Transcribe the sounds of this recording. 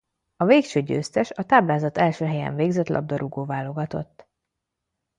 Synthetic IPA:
ɒveːkʃøːɟø̰ːst̪ɛʃɒt̪aːblaːzɒt̪ɛlʃøːɦɛjɛ̰ɱveːɡzɛt̪lʔɒ̰b̚d̪ɒɾʔuɡoːvaːlo̞ɡɒt̪o̞̰t̪ː

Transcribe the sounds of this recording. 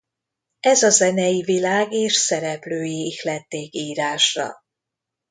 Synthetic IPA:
ɛzɒzɛnɛjivilaːɡeːʃsɛɾɛpløːjiʃlɛt̪ːeːkiːɾaːʃrɒ̰

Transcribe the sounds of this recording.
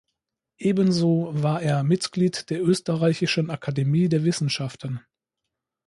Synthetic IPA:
ʔeːbənzoːvaːɐʔeːɐmɪtɡ̥liːtd̥eːɐʔøːstəʁaɪçɪʃənakʰademiːdeːɐvɪsn̩ʃaftən

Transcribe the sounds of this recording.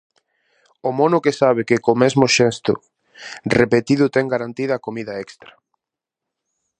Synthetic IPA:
ʊmɔnʊkesaβ̞ekɪkomɛzmʊʃɛst̪ʊ̰ | repet̪iðʊt̪ɛŋɡaɾant̪iðɐkomiðɐɛkst̪ɾɐ

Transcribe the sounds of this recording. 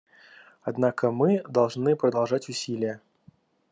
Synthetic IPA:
ad̪nakəmɨd̪ɐlˠʐnɨpɾəd̪ɐlˠʐatʲʊsʲilʲɪjə

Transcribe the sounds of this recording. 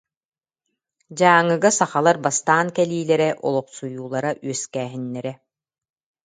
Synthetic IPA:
d͡ʑaːŋːɯɡasaχalˠaɾbast̪aːnkɛliːlɛɾɛʔɔlˠɔqsujuːlˠaɾaʔyœskæːɦinːɛɾɛ

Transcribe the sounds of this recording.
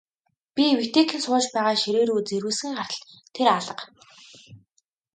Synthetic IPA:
pʲiwit̪eːkxɘ̆nsʊːt͡ɕpæːʁaːʃiɾeːɾuːt͡seɾwɘ̆sɘ̆ŋɢar̥t̪̆ɬt̪ʰːeɾaɮə̆q

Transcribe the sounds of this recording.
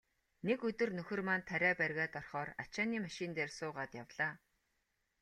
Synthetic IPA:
nekɵt̪ɵ̆rnɵxɘ̆rmaːnt̪ʰæɾʲæːpærʲɣʲæːt̪ɔrχɔːra̰t͡ɕaːniːmaʃɪnt̪eːrsʊːʁaːt̪jawɮaː

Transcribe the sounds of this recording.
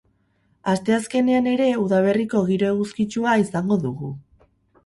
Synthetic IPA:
ast̪e̞aske̞ne̞ane̞ɾe̞uðaβ̞e̞riko̞ɣ̞iɾo̞eɣuskit͡ʃuaisaŋɡo̞ðuɣu

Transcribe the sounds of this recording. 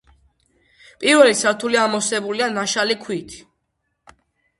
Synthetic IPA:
pʼiɾvɛlisʰaɾt̪ʰuliamɔsɛbulianaʃalikʰwit̪ʰi̥

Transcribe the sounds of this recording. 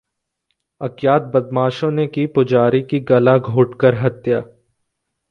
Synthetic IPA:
ɐkjaːt̪̚bɐd̪maːʃõnekiːpʊd͡ʒaːɾikiɡɐlaɡʱoːʈkəɾɦɐt̪jaː

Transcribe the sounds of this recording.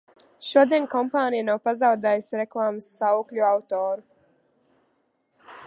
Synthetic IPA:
ʃuɔd̪iɛnkɔmpaːnijanawpazawd̪ɛjsɾɛklˠaːmɨsːauklʎʲuawt̪ɔːɾu

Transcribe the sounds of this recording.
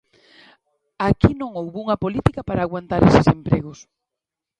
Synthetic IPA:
akinõŋowβuŋɐpolit̪ikɐpaɾaːɣwant̪aɾesɪsempɾeɣʊs

